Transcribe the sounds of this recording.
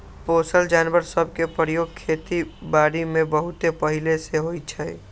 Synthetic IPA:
poːsəld͡ʒaːnʋəɾsəb̚ʱkepəɾjoːɡ̚kʰeːt̪ibaːɽimẽbəɦʊt̪epəɦileseɦoit͡ʃʰɛi

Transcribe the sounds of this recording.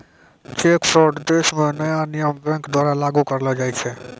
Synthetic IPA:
t͡ʃekpʰɾɔɾɖd̪esmẽnəjanijəmbɛ̃ŋkd̪waɾalaɡukəɾləd͡ʒajt͡ʃʰɛ

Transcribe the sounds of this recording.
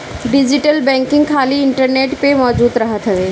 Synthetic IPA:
ɖɪd͡ʑɪʈəlbɛ̃ːŋkɪ̃ŋɡkʰaːliɪɳʈəɾneːʈpemɔːd͡ʑuːd̪ɾɐɦət̪ɦɐʋeː

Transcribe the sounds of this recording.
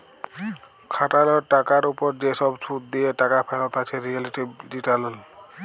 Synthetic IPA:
kʰatalɔɹʈakaɹupɔɹd͡ʒesɔbsʰutd̪ijɛtakapʰɛlɔt̪asʰɛɹialitibditalʊn

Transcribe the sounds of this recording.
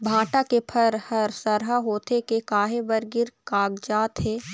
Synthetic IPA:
bʱãːʈakepʰɐɾhɐɾsɐɾɦaɦoːt̪ekekaːɦebɐɾɡɪɾkaːɡd͡ʒaːt̪ɦeː

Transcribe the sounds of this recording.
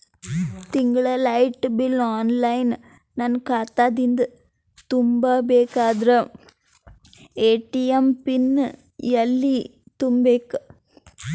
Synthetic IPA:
t̪ɪŋɡɐɭɐlɐɪʈbɪlaːnlɐɪn | nɐnkaːt̪ːaːd̪ind̪ɯ | t̪ʊmbabeːkaːðɾɐ | eːʈːijɐmpɪnː | jɐlːi | t̪ʊmbeːkːɯ

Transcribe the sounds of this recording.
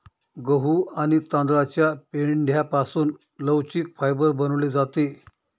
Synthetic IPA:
ɡəɦuːaɽ̃it̪ãnd̪ɾat͡ɕjapeɭɳɖʱjapasuːn | ləwt͡ɕiːk̚fajbəɾbənʋled͡zat̪e

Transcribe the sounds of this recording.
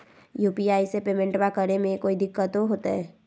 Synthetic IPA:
juːpiaːisepeːmẽɳʈbakəɾemẽkoːid̪ɪkːət̪oɦoːt̪aɦɛː

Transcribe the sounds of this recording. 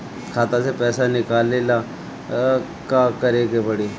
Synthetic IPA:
kʰaːt̪ãsepɛːsanɪkaːlelaː | kaːkəɾeːɡepəɽiː

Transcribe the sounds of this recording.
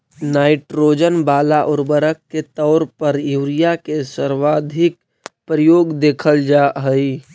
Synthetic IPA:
naːɪʈɾoːd͡ʒənbaːlaʔʊɾbəɾəkːet̪ɔʊɾpəɾjuwɾijakesəɾwaːd̪ʱɪk̚ | pɾəjoːɡd̪eːkʰəld͡ʒaɦəi

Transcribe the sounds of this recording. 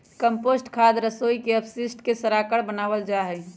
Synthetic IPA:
kəmpoːsʈkʰad̪ɾəsoikeəpsɪsʈkesəɾakəɽbənaːʋəld͡ʒaɦɛ

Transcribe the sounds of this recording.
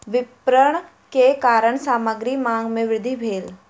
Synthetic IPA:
ʋɪppɾəɳ̃ | kekaːɾəɳ̃saːməɡɾimãːŋɡmẽʋɾɪd̪ʱibʱeːl

